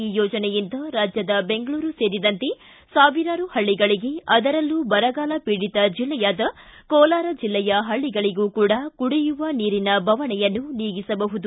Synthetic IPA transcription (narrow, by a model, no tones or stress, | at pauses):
iːjɔːd͡ʒɐnɛjint̪ɐɾaːd͡ʒjɐd̪ɐbe̞ŋɡɐɭuːɾuse̞ːɾid̪ɐnt̪e̞ | saːʋiɾaːɾuhɐɭːiɡɐɭiɡe̞ɐd̪ɐɾɐlːubɐɾɐɡaːlɐpiɽit̪ɐd͡ʒilːɛjaːd̪ɐkɔːlaːɾɐd͡ʒilːɛjɐɦɐɭːiɡɐɭiɡuːkuːɽɐkuɽijuʋɐniːɾinɐbʱɐʋɐɳɛjɐnːuniːɡisɐbɐɦud̪u